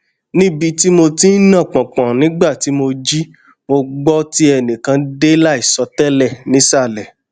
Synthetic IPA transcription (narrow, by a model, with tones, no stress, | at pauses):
nĩ˦bi˧ti˦mo˧ti˦nã˦˨k͡pɔ̃˨k͡pɔ̃˨nĩ˨˦ɡ͡ba˦˨ti˨˦mo˧d͡ʒi˦ | mo˧ɡ͡bɔ˦ti˦ɛ˧˨nĩ˨kã˧de˦la˦i˦˨sɔ˨˧tɛ˦lɛ˦˨nĩ˨˦sa˦˨lɛ˨